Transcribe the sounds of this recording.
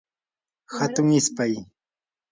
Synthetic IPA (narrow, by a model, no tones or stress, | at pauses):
hat̪ʊŋɪspaj